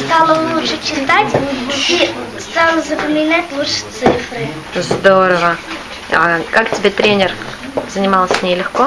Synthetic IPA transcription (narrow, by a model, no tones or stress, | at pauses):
st̪ɑlˠɐlˠuʃɛt͡ʃɪt̪atʲist̪ɑlˠɐzɐpɐmʲɪnatʲlˠuʃɛ̥t̪sɪfɾɪ | zd̪oɾəvə | a̰kaktʲɪbʲet̪ɾʲenʲɪr | zənʲɪmalˠəsʲnʲelʲɪxko